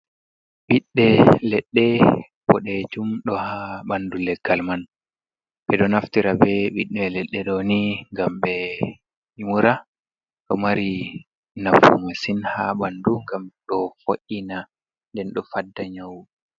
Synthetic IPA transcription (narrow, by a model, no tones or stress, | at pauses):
ɓiɗːɛlɛɗːɛ | bɔɗɛd͡ʒumɗɔhaɓandulɛɡːalman | ɓɛɗɔnaftiɾabɛɓiɗːɛlɛɗːɛɗoniŋɡambɛ | imuɾa | ɗɔmaɾi | nafṵmasinhaɓanduŋɡamɗɔfoʔːina | ndɛnɗɔfadːaɲawu